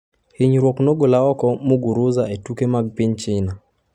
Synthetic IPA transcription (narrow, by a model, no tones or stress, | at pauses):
hɪɲɾwɔknɔɡolaɔkɔmuɡuɾʊzaetukemaɡ̚pɪɲt͡ʃɪna